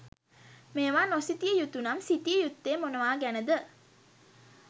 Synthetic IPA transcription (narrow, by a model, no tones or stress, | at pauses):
meːʋaːnosit̪ijəjut̪ːunamsit̪ijəjut̪ːeːmonəʋaːɡænəd̪ə